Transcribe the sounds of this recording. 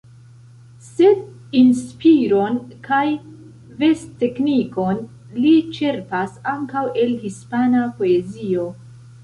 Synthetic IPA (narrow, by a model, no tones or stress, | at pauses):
se̞d | inspiɾo̞nkaj | ve̞ste̞kniko̞n | lit͡ʃe̞ɾpasaŋkawʔe̞lhispanapo̞ezio̞